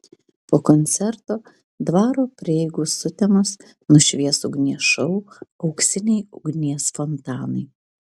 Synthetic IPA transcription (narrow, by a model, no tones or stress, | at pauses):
poːkɔnʲt̪sʲɛɾt̪oː | d̪ʋɑːɾoːpʲɾʲɪɛɪɡuːsʊt̪ʲɛmɔs | nʊʃʲʋʲiɛsʊɡnʲiɛʃɐluɒʊksʲɪnʲɛɪʊɡnʲiɛsfɔnt̪ɑːnɐɪ